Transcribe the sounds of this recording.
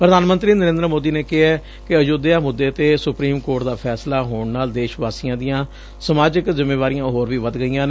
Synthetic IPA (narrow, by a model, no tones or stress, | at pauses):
pɾəd̪aːnmənt̪ɾiːnəɾẽnd̪əɾəmoːd̪iːneːkɪɛː | kɪəd͡ʒoːd̪eaːmʊd̪ːeːt̪eːsʊpɾiːmkoːɾʈd̪aːpʰɛːslaːɦoːɳnaːld̪eːʃʋaːsiãːd̪ijãː | səmaːd͡ʒɪkzɪmeːʋaːɾijãːɦoːɾʋiːʋəd̪ɡəijãːnː